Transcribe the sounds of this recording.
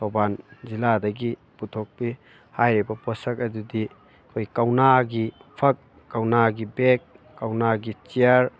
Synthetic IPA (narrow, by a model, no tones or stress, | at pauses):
sʰobanziladɐɡi | putʰok̚pi | hajɾebɐpɔsɐk̚ɐdudi | kʰojkawnaɡipʰɐk̚ːawnaɡibek̚ː | awnaɡit͡ʃiaɾ